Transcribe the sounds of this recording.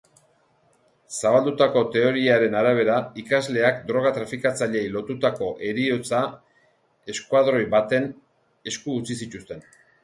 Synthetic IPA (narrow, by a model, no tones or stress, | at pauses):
saβald̪ut̪ako̞t̪e̞o̞ɾiaɾe̞naɾaβ̞e̞ɾaikazle̞akd̪ɾo̞ɣ̞at̪ɾafikat͡saʎe̞jlo̞t̪ut̪ako̞ʔe̞ɾio̞t͡sa | e̞skuaðɾo̞jbat̪e̞n | e̞skuːt͡sisit̪ust̪e̞n